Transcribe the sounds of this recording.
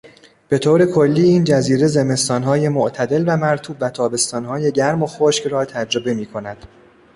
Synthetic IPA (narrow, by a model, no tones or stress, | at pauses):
b̥e̞t̪ʰoːɾe̞kʰo̞lːiːiːnd͡ʒæziːɾe̞ze̞me̞st̪ɒːnɦɒːje̞moʔt̪ʰæd̪e̞lvæmæɾt̪ʰuːbvæt̪ʰɒːbe̞st̪ɒːnɦɒːje̞ɟæɾmo̞xoːʃcrɒːt̪ʰæd͡ʒɾo̞be̞miːkʰo̞næd̪̥